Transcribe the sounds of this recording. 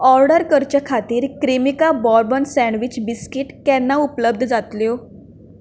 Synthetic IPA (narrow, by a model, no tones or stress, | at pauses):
ɔɾɖəɾkəɾt͡ɕjakʰat̪iːɾkɾimikabɔɾbənsɛ̃ɳʋit͡ɕbiskiʈkɛnːaupləb̚d̪ʱd͡zat̪ljo